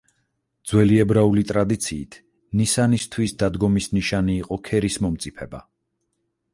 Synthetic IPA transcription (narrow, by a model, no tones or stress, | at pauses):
d̪̥z̥wɛliɛbɾaulit̪ʼɾad̪it̪sʰiːt̪ʰ | nisanist̪ʰwisd̪ad̪ɡɔmisniʃaniːqʼɔkʰɛɾismɔmt̪sʼipʰɛba̰